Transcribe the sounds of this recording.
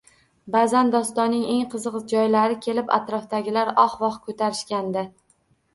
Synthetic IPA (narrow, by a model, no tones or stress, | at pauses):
bazand̪ɒst̪ɒnːɪŋe̞ŋqʰɨzɨqd͡ʒɒjlaɾɪkʲʰe̞lɪpa̰t̪ɾɒfd̪aɡʲɪlaɾɒχvɒqkʰɵt̪ʰaɾɪʃkʲand̪ɪ